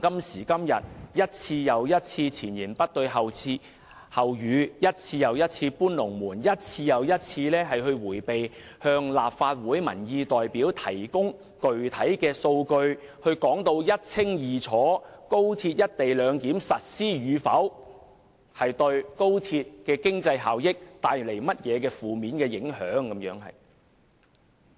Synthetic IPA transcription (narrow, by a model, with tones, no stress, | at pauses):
kɐ˥msiː˨˩kɐ˥mjɐ̰˨˩t̚jɐ˥t̚t͡sʰiː˧jɐ˨wjɐ˥t̚t͡sʰiː˧t͡sʰiː˨˩njiː˨˩npɐ˥t̚t̪ɵ˧ɥɦɐ˨wt͡sʰiː˧ | hɐ˨wjyː˨˧jɐ˥t̚t͡sʰiː˧jɐ˨wjɐ˥t̚t͡sʰiː˧puː˥nlʊ˨˩ŋmuː˨˩njɐ˥t̚t͡sʰiː˧jɐ˨˧wjɐ˥t̚t͡sʰiː˧lɛː˥ɦɐ˨jɦɵ˧ɥwuː˨˩jpe˨j | hœː˧ŋlaː˨p̚faː˧t̚wuː˨˥jmɐ̰˨˩njiː˧t̪ɔː˨jpiː˨˥wt̪ʰɐ̰˨˩jkʊ˥ŋ | kɵ˨ɥt̪ʰɐ˨˥jkɛː˧so˧wkɵ˧ɥhɵ˧ɥkɔː˨˥ŋt̪o˧wjɐ˥t̚t͡sʰɪ˥ŋjiː˨t͡sʰɔː˨˥ko˥wt̪ʰiː˧t̚jɐ˥t̚t̪e˨jlœː˨˧ŋkiː˨˥msɐ˨t̚siː˥jyː˨˧fɐ˨˥w | hɐ˨jt̪ɵ˧ɥko˥wt̪ʰiː˧t̚kɛː˧kɪ˥ŋt͡sɐ˧jɦa̰ː˨˩wjɪ˥k̚t̪aː˧jle˨˩jmɐ˥t̚jɛː˨˧k̬ɛː˧fuː˨miː˨˥nkɛː˧jɪ˨˥ŋhœː˨˥ŋkɐ˨˥mjœː˨˥ŋɦɐ̰˨j